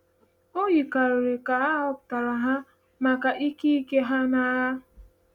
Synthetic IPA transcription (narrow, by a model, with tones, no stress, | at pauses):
o˦ji˨ka˨ɾɾe˨ka˨a˦ɔ˦˨pʊ˨ta˨ɾa˨ɦa˦ | ma˨ka˨ʔi˦ki˦i˦ke˦ɦa˦na˨˦ɾa˦